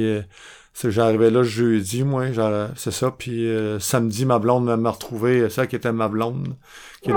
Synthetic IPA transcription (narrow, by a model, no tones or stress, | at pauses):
seʒaʁivɛlɔʒøːd͡zimwɛʒasesɔpʰisamd̪d͡z̪imablɑ̃d̪məməʁət̪ʁuveskʲet̪ɛmablɑ̃d̪ | kʲje